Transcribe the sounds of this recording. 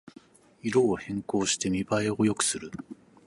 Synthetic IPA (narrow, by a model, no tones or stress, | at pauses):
iɾo̞ːhẽ̞ŋko̞ːɕi̥t̪e̞mʲibae̞o̞jo̞kɯ̟̥sɨɾɯ̟